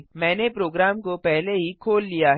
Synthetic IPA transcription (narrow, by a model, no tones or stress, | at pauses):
mɛ̃ːnepɾoːɡɾaːmkopɛɦleɦikʰoːlːijaɦ